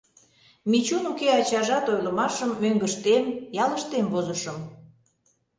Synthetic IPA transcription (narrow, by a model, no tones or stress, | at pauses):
mit͡ɕunukeɑt͡ɕɑʒɑt̪ojləmɑʃəmːøŋɡəʃt̪emjɑləʃt̪emvozəʃəm